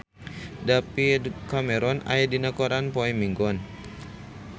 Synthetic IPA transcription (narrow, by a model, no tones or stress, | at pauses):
dapikamɛɾɔna̰jadinakɔɾanpɔimiŋɡɔn